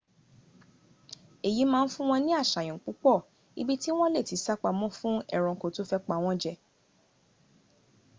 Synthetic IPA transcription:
e˨ji˨˦mãː˦n̩˦fũ˦w̃ɔ̃˧nĩ˦a˦˨ʃa˨j̃ɔ̃˨k͡pu˨˦k͡pɔ˦˨ | ḭ˧bi˦ti˦w̃ɔ̃˦le˦˨ti˨˦sa˦k͡pa˧mɔ̃˦fũ˦ɛ̰˦˨ɾ̃ɔ̃˨ko˨to˦fɛ˦k͡pa˧w̃ɔ̃˦d͡ʒɛ˧

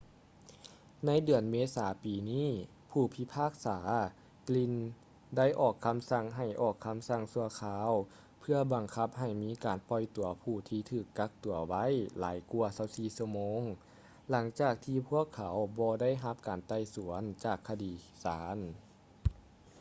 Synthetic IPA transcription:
na˧˥jdɯ˨˩ənmeː˧˥saː˩˦piː˨niː˥˩˨ | pʰuː˧˩pʰi˧˥pʰaː˥˩k̚saː˩˦ | kli˧˥n | da˥˩˨jʔɔː˨˩kʰːa˧˥msa˧˩ŋɦa˧˨˩jʔɔː˨˩kʰːa˧˥msa˧˩ŋsu˧ɐkʰaː˧˥w | pʰɯ˧ɐba˨˩ŋkʰa˧˥p̚ɦa˧˨˩jmiː˧˥kaː˨˩npɔ˧˩jt̪u˨˩ɐpʰuː˧˩t̪ʰiː˧t̪ʰɯː˧˩kːa˧˥k̚t̪u˨˩ɐwa˧˥˨jlaː˨˦jku˧ɐsa˧˥wsiː˧˨˩su˧əmoː˧˥˨ŋ | la˨˦ŋt͡ɕaː˨˩k̚t̪ʰiː˧pʰu˥˩əkʰːa˨˦wbɔː˧da˥˩˨jɦa˧˥p̚kaː˨nt̪a˧˩jsu˨˩˦ənt͡ɕaː˨˩kʰːa˧diː˨˩ | saː˩˦n

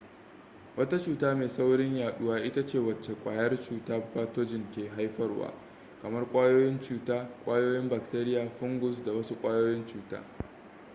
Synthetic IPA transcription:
wɐ˦ta˦t͡ʃuː˨taː˦meː˨sa˦wɽɪ˦ɲjaː˨ɗʊ˦waː˦ʔɪ˦ta˦t͡ʃeː˦˨wɐ˨t͡ʃːe˨kʷʼaː˨jɐ˦rt͡ʃuː˨taː˦paː˦to˦d͡ʒɪ˨ŋkʲeː˨ɦa˦jɸɐ˦rwa̰ː˦ | kɐ˨mɐ˦rkʷʼaː˦joː˦jɪ˦nt͡ʃuː˨taː˦kʷʼaː˦joː˦jɪ˦mbɐ˨k̚teː˦ɾɪ˦jaː˨ɸʊ˦ŋɡʊ˨s̬da˨wɐ˦su˦kʷʼaː˦joː˦jɪ˦nt͡ʃuː˦ta̰ː˦

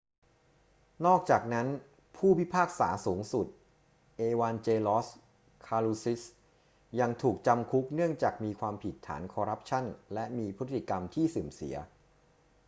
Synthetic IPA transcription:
nɔː˥˩k̚t͡ɕaː˨˩k̚na˦˥n | pʰuː˥˩pwi˦˥˩pʰaː˥˩k̚sa̰ː˩˦suː˩˦ŋsu˨˩t̪̚ | ʔeː˧waː˧nt͡ɕeː˧lɔː˦˥s | kʰaː˧luː˧si˦˥s | ja˧ŋt̪ʰuː˨˩k̚t͡ɕa˧mkʰu˦˥k̚nɯ˥˩əŋt͡ɕaː˨˩k̚miː˧kʰwaː˧mpʰi˨˩t̪ʰːa̰ː˩˦nkʰɔː˧ɾa˦˥p̚t͡ɕʰa˥˩nlɛ˦˥miː˧pʰɯ˦˥t̪ʰːi˨˩ka˧mt̪ʰiː˥˩sɯː˨˩msḭ˩˦ɐ

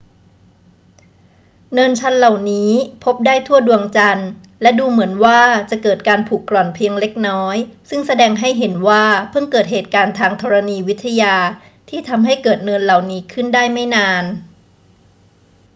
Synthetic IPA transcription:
nɤ˧nt͡ɕʰa˦˥nla˨˩wniː˦˥pʰo˦˥p̚daː˥˩jt̪ʰu˥˩ədu˧əŋt͡ɕa˧n | lɛ˦˥duː˧mɯ˩˦ənwaː˥˩t͡ɕa˨˩kɤː˨˩t̪̚kaː˧npʰuː˨˩kːlɔ˨˩npʰi˧əŋle˦˥k̚nɔː˦˥jsɯ˥˩ŋsa˧dɛː˧ŋɦa˥˩jɦe˩˦nwaː˥˩pʰɯ˥˩ŋkɤː˨˩t̪̚ɦeː˨˩t̪̚kaː˧nt̪ʰaː˧ŋt̪ʰɔː˧ɾa˧niː˧wi˦˥t̪ʰːa˧jaː˧ | t̪ʰiː˥˩t̪ʰa˧mɦa˥˩jkɤː˨˩t̪̚nɤ˧nla˨˩wniː˦˥kʰɯ˥˩ndaː˥˩jma˥˩jnaː˧n

